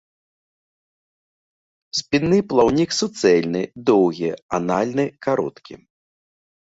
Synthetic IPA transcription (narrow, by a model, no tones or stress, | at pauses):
sʲpʲinːɨplˠawnʲiksut̪sɛlʲnɨd̪ɔwɣʲia̰nalʲnɨkaɾɔ̰t̪kʲḭ